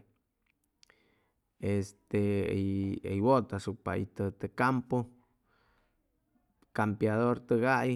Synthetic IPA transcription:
est̪e | ejwot̪asuk̚pa̰ḭt̪ət̪əkampo | kampjaðoɾt̪əɣaʔj

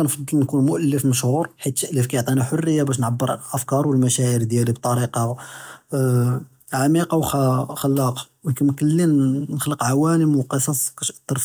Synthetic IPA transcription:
ænfɑd̪ˤːəlnkunmʊʔəlːəfməʃhuɾħit̪ːʔəlːəfkæjʕt̪ˤiniħorːəjːabæʃ̬nʕabːəɾˤʔəfkɑɾˤwəlmæʃæʕiɾd̪jælib̚t̪ˤɑɾiqɑ | ʕamiqɑwxxəlːɑq | wkæmkəlːinnəxləqʕawænəmwqəsˤɑsˤkæʃʔə̥t̪ːəɾˤf

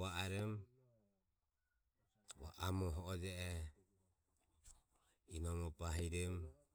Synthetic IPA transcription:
aaɾɛm | wa̰ʔamɔɦɔɔd͡ʒɛʔɛ | inɔmɔpaɦiɾɛm

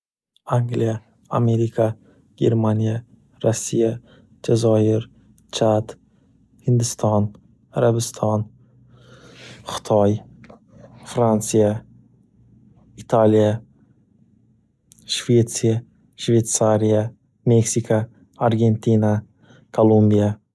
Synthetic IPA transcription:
aŋɡlija | ame̞ɾikʰa | ɡ̥ʲe̞̰ɾmanʲija | ɾasːija | d͡ʒazɒɪɾ | t͡ʃʰat̪ | hɪnd̪ɪst̪ʰɒn | aɾabɪst̪ʰɒn | χʊ̥t̪ʰɒj | fɾant̪sija | it̪ʰalija | ʃvet̪sija | ʃvejt̪saɾija | meksikʰa | aɾɡʲe̞nt̪ʰina | kʰolˠumbija

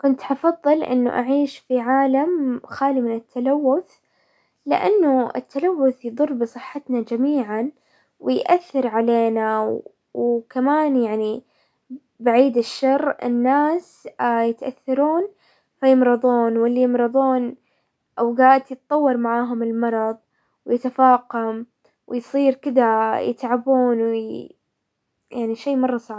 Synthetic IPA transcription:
kʊnt̪ʔɑfɑðˤːɨlʔɪ̰nːʊ̰ʔaʕiːʃfiʕaːlamxaːlimɪnɪt̪ʰːalawːʊθ | lɪ̰ʔa̰nːʊɪ̰t̪ʰːalawːʊθjðˤʊrˤːbɨsˤɨħːat̪nad͡ʒamiːʕan | wɪjʔaθːɑɾʕaleːnaw | wkamaːnjaʕni | baʕiːd̪ɪʃːɑrːɪ̰nːaːs | jɪt̪ʔa̰θːɑɾuːn | fajɪmɾɨðˤuːnwɪlːijɪmɾɨðˤuːn | ʔawɡaːʔd̪jɨt̪̚ˤt̪ˤːɑwːɑɾˤmaʕaːɦʊmɪlmɑɾˤɑðˤ | wjɪt̪afaːqam | wɪjsˤiːɾkɪd̪ajɪ̰t̪ʕabuːnw | jaʕniʃeːmɑrˤːɑsˤɑʕ

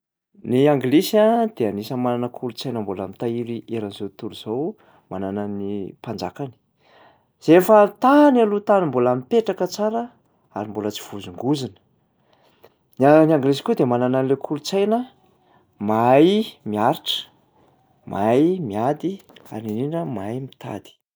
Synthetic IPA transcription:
niaŋɡlesad̪̥eanisəmananəkʰulut͡sajnəmbolamit̪aiɾiʔeɾanzowt̪uluz̥ow | manananipand͡zakani̥ | z̥efət̪analut̪animbolamipeʈ͡ʂakət͡saɾə | a̰ɾimbolət͡si̥v̥uzuŋɡuzinə̥ | naniaŋɡlezi̥kʲud̪emanananilekʰulut͡sajnə | majmiaɾiʈ͡ʂə̥ | mʔajmiad̪ia̰ɾininəmajmit̪ʰa̰d̪̥i̥

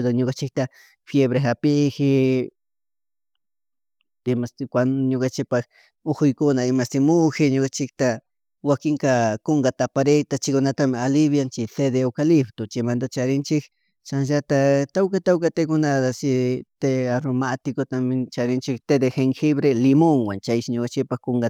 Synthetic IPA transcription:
d̪aɲokant͡ʃɪk̚t̪a | fjeβɾeɦapɪxɪ | ɪmaskʷanɲokant͡ʃɪk̚pax | oxʊjkʊnaɪmast̪ɪmʊxɪɲokat͡ʃɪk̚t̪a | wakɪŋkakoŋɡat̪apaɾet̪at͡ʃɪkʊnat̪amɪalɪβjant͡ʃɪt̪ed̪eokalɪpt̪ot͡ʃɪmand̪at͡ʃaɾɪnt͡ʃɪk | t͡ʃanʒat̪at̪awkat̪awkat̪ekʊnad̪asɪt̪eaɾomat̪ɪkot̪amɪt͡ʃaɾɪnt͡ʃɪkt̪ed̪exeŋxɪβɾelɪmoŋwant͡ʃajʃɪɲokant͡ʃɪk̚paxkoŋɡa

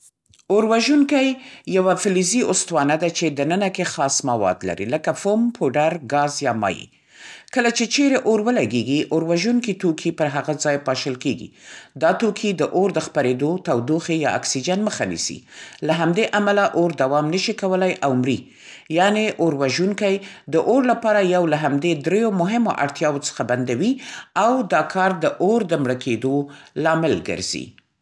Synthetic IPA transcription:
oɾwaʒunkajːawafɪliziʊst̪wɑnad̪at͡ʃed̪ənənakexɑsmawɑ̰d̪la̰ɾḭləkafompʰoɖaɾɡɑzjɑmɑ̰jḭ | kəlat͡ʃet͡ʃeɾeʔoɾwəlaɡeɡiʔoɾwaʒunkit̪okʰipəɾɦaɣad͡zɑjpɑʃəlkeɡḭd̪ɑt̪okʰid̪əʔoɾd̪əxpaɾed̪ot̪awd̪oxejɑa̰ksid͡ʒanməxanḭsḭlaɦamd̪eʔamalaʔoɾd̪awɑmnəʃikawəlajʔawmɾi | jɑneʔoɾwaʒuŋkajd̪əʔoɾlapɑɾajawlaɦamd̪ed̪ɾejomʊɦɪmo̰ʔa̰ɽt̪jɑwot͡sə̥xaband̪awiawd̪ɑkʰɑɾd̪əʔoɾd̪əmɽəkʰed̪olɑmɪlɡə̰ɾz̥ḭ

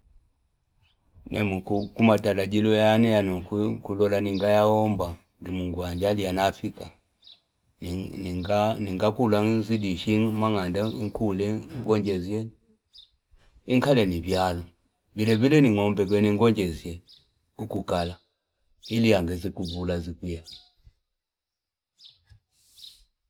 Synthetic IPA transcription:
nʔɛ̰mukukumatalaɟilɔjanɛjanɔkkulɔlaniŋɡajaɔmba | dimuŋɡwaɲd͡ʒalianafika | niŋɡakulazidiʃiŋmaŋandaiŋkulɛŋɡɔɲd͡ʒɛzjɛ | iŋkalɛnivjalɔ | vilɛβilɛniŋɔmbɛk̬wɛniŋɡɔɲd͡ʒɛziɛ | kukukala | ilijaŋɡɛzikuβulazikija

